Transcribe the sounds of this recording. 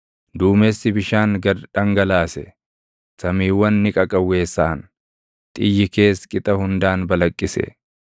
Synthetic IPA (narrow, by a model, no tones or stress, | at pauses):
d̪uːmesːɪbɪʃaːŋɡɐɾᶑɐŋɡɐlaːsɛ̰ | sɐmiːwːɐnːɪkʼɐkʼɐwːe̞ːsːaːn | t̪ʼɪjːɪke̞ːskʼɪt̪ʼɐhʊnd̪aːnbɐlɐkʼːɪsɛ̰